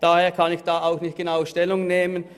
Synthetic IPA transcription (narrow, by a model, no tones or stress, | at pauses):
d̥aːheːɐkʰanɪçd̥aːaʊxnɪçt̚ɡ̥enaʊʃtɛlʊŋneːmən